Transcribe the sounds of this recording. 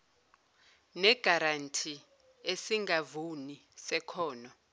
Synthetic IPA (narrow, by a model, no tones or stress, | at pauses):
nɛɡ̥ʱaɾantʰi | esiŋɡʱavunisɛkʰɔːnɔ